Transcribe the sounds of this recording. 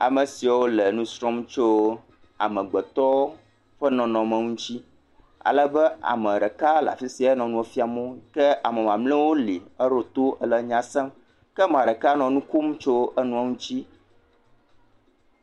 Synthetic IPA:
a̰˨mɛ̃˨si˨a˨wo˦lɛ˨nũ˦sɾɔ̃˦mt͡ʃo˦ | a̰˨mɛ̃˨ɡ͡bɛ˨t̪ɔ˦wo˦ | ɸɛ˦nɔ̃˨nɔ̃˨mə̃˨ŋũ˦t͡ɕi˦ | a̰˨lɛ˨bɛ˦ʔa̰˨mɛ̃˨ɖɛ˨ka˦la̰˨fi˦si˨˦a˨ɛ˦nɔ̃˨nũ˦ɛ˨fi˦a˨mɔ̃˦kɛ˦ʔa˨mɛ̃˨mã˨mlɛ̃˦wo˦li˨ɛ˦ɾo˦t̪o˦ɛ˦lɛ˨ɲã˨sɛ˦m | kɛ˦mã˨ɖɛ˨ka˦nɔ̃˨nũ˦ku˦mt͡ʃo˦ʔɛ˦nũ˦a˦ŋũ˦t͡ɕi˦

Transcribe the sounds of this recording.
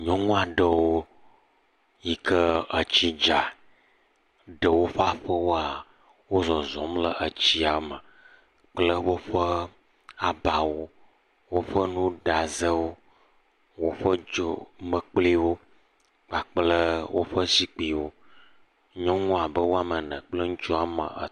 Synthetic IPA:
ɲɔ̃˦ŋũ˦a˨ɖə˨wo˦ | ji˨kə˦ə˨t͡ɕi˦d͡ʒa˨ | ɖə˨wo˦ɸa˦ɸə˦wo˦a˨ | wo˦zɔ˨zɔ̃˨˦mlə˦ʔə˨t͡ɕi˦a˨˦mə˨ | k͡plə˦wo˦ɸə˦ | a˨ba˨wo˦ | wo˦ɸə˦nũ˦ɖa˨zə˦wo˦ | wo˦ɸə˦d͡ʒo˦mə˨k͡pli˦wo˦ | k͡pa˨k͡plə˦wʔo˦ɸə˦zi˦k͡pi˨wo˦ | ɲɔ̃˦ŋɔ̃˦a˨bə˦wo˦a˨mə˨nə̰̃˨k͡plə˦ŋũ˦t͡ʃɔ˦a˨mə̰̃˨ə̰˨

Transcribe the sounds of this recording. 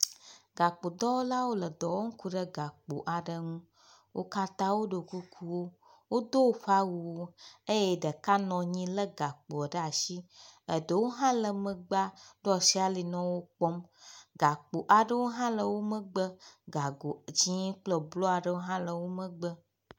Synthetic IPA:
ɡa˨k͡po˨d̪ɔ˦wo˦la˦wo˦lə˨d̪ɔ˨wo˦ŋ̩˦ku˦ɖə˦ɡa˨k͡po̰˨ʔa˨ɖə˦ŋũ˦ | wo̰˦ka˦t̪ã˦wo˦ɖo˨ku˦kʰu˦wo˦ | wo˦d̪o˦ɸʷa˦wu˨wo˦e˦je˦ɖə˨ka˦nɔ̃˨ɲĩ˦lə˦ɡa˨k͡po˨ɖə˦a˨ʃi˦ə˨də˨wo˦ɦã˦lə˨mə̃˨ɡ͡ba˦ɖo˦ɔ˨ʃi˦a˨li˨nɔ̃˦wo˦k͡pɔ˦mɡa˨k͡po˨ʔa˨ɖə˦wo˦ɦã˦lə˨wo˦mə̃˦ɡ͡bə˦ɡa˨ɡo˨d͡ʑĩ˦k͡plə˨blɔ˦a˨ɖə˦wo˦ɦã˦lə˨wo˦mə̃˦ɡ͡bə˦

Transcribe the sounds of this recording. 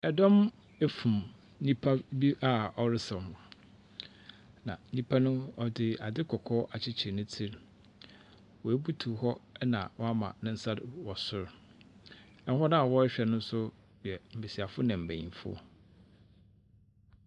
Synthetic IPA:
ɛ˨dɔ̃˦m | e˦fũ˨m | ɲĩ˦pʰa˦bi˦ʔa˦ɔ˨ɾɪ˦sɔ̃˨m˨ | nã̰˨nĩ˦pʰa˦nʊ̃˦ɔ˨dɪ˨a˨dɪ˦kʰɔ˨kʰɔ˦ʔa˨t͡ɕʰɪ˦t͡ɕʰɪ˨nʊ̃˦tʰi˦ɾ | wɔ˨e˦bu˦tʰu˨hɔ˦nã̰˨wɔ˦a˦mã̰˨nʊ̃˦n̩˦sa˦dwɔ˨sʊ˦ɾ | ɛ˦n˦ɦɔ˦nã˦a˨wɔ˦ɛ˦ɕᶣɛ˨nʊ̃˦n̩˦sʊ˦˨ | ɛ˨m̩˨bɪ˨si˨a˨fʊ˦nã˨m̩˨bæ̃˨ḭ̃˨fʊ̰˦ɔ̰˦

